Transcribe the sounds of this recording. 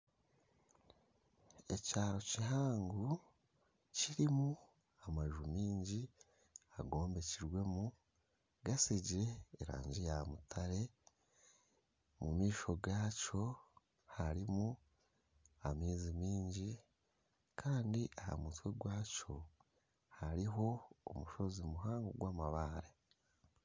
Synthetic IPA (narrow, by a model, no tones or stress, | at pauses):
e̞caːɾo̞cihaːŋɡu | ciɾimu | amaʒumiːɲɟi | a̰ɡo̞ːmbe̞ciɾwe̞mu | ɡasiɟiɾe̞ːɾa̰ːɲɟejamutʰaɾe̞ | mumiːʃo̞ɡaːco̞ | haɾimu | amiːzimiːɲɟi | kʰaːndiʔaha̰mutweɡwaːco̞ | haɾiɦo̞o̰muʃo̞zimuɦaːŋɡoɡwaːmaβaːɾe